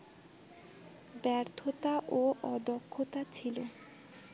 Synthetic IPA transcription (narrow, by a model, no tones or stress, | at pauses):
bɛɾt̪ʰot̪aʔoɔd̪okʰːot̪at͡ɕʰilo